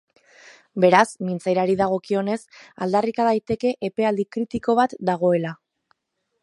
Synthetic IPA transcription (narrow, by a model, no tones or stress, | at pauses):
be̞ɾasmint͡sajɾaɾiðaɣ̞o̞kio̞ne̞sa̰ld̪arikaðajt̪e̞ke̞ʔepe̞ald̪ikɾit̪iko̞β̞at̪d̪aɣ̞o̞e̞la